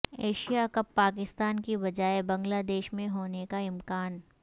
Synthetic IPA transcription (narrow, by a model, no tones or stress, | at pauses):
eːʃijakɐpːaːkɪst̪aːnkibɐd͡ʒaːebɐ̃ŋɡlaːd̪eːʃmẽɦoːnekaɪmkaːn